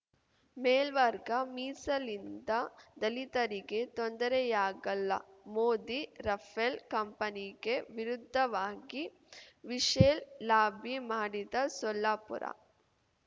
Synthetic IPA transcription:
meːlʋɐɾɡɐmiːsɐlind̪ɐd̪ɐlit̪ɐɾiɡe̞t̪ond̪ɐɾejaːɡɐlːɐ̰moːd̪iɾɐfʰelkɐmpɐniɡe̞ʋiɾud̪ʱːɐʋaːɡi | ʋiʂeːllaːbʱimaːɽid̪ɐsɔlːaːpṵɾʔɐ̰

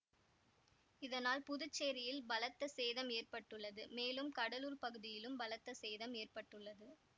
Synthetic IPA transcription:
ɪðɐnaːlpʊðʊt͡ʃːeːɾɪjɪlbɐlɐt̪ːɐsɛjðɐmeːrpɐʈːɯɭːɐðɯmeːlɯmkɐɽɐluːɾpɐɣɯðɪjɪlɯmbɐlɐt̪ːɐsɛjðɐmeːrpɐʈːɯɭːɐðɯ

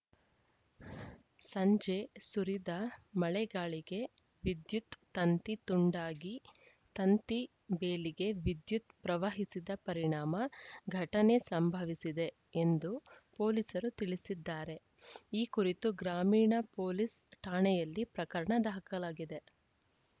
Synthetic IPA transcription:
sɐɲd͡ʒesuɾid̪ɐmɐɭɛɡaːɭiɡe̞ | ʋid̪jut̪ːɐnt̪it̪uɳɖaːɡi | t̪ɐnt̪i | beːliɡe̞ʋid̪jut̪pɾɐʋaɦisid̪ɐpɐɾiɳaːmɐɡʱɐʈɐne̞sɐmbʱɐʋisid̪e̞ | end̪upo̞ːlisɐɾut̪iɭisid̪ːaːɾe̞ | iːkuɾit̪uɡɾaːmiːɳɐpo̞ːlisʈaːɳɛjɐlːipɾɐkɐɾɐɳɐd̪ɐɦɐkɐlaːɡid̪e̞

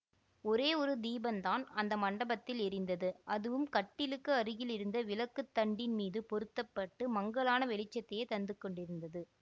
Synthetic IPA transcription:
ɔɾeːɔɾɯd̪iːbɐnt̪aːnɐnd̪ɐmɐɳɖɐbɐt̪ːɪlɛɾɪnd̪ɐðɯʔɐðɯʋɯmkɐʈːɪlɯkːɯɐɾɯɣɪlɪɾɯnd̪ɐʋɪlɐkːɯt̪ːɐɳɖɪnmiːðɯpɔɾɯt̪ːɐpːɐʈːɯmɐŋɡɐɭaːnɐʋɛlɪt͡ʃːɐt̪ːɛjɐt̪ɐnd̪ɯkːɔɳɖɪɾɯnd̪ɐðɯ

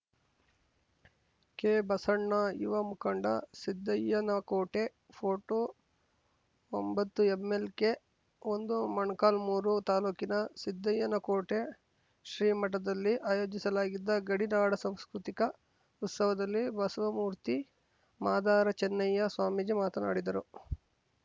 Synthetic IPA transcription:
keːbɐsɐɳːɐjḭʋɐmukɐɳɖɐ̰sid̪ːɐjɐnɐkoːʈe̞ | pʰoːʈoː | ombɐt̪ːuemːelke | ond̪umɐɳkaːlmuːɾut̪aːluːkinɐsid̪ːɐjɐnɐkoːʈe | ʃɾiːmɐʈ̬ɐd̪ɐlːiʔaːjo̞ːd͡ʒisɐlaːɡid̪ːɐɡɐɽinaːɽɐsɐmskɾut̪ikɐ | ut̪sɐʋɐd̪ɐlːibɐsɐʋɐmuːɾt̪i | maːd̪aːɾɐt͡ʃɛnːɐjːɐsʋaːmid͡ʒimaːt̪ɐna̰ːɽid̪ɐɾu

